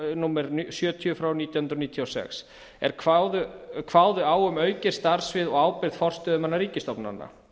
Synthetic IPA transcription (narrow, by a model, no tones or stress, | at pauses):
numɛɾsjœːt̪ʰjʏfɾawniːt̪jahʏnd̪ɾɔniːt̪ʰiɔsɛ̰ks | ɛ̰ɾ̥kʰvaðʏkʰvaːwðʏaːwʏmœːɥcɪ̥st̪aɾ̥svɪðɔɣaːwpɪɾðfɔr̥st̪œðʏmanːaɾiːcɪst̪ɔpna̰nːa̰